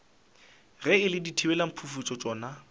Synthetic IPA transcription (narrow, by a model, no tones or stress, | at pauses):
rɛɪlɪditʰiwɛlam̩pʰufut͡ʃʼɔt͡ʃʼɔːna